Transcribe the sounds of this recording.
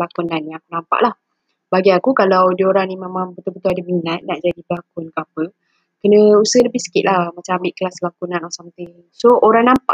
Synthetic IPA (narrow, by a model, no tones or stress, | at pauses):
lakunãnːiakunãmpa̰ʔlah | baɡiakukalawdioɾaŋnimemambət̪ubət̪uadəminat̪̚naʔd͡ʒadiblakʊnkəapə | kənə̃usələbɪhsə̥kiʔ̪̚lahmat͡ʃaambɪʔkəlaslakunãnasamt̪iŋ | sooɾaŋnampa̰ʔ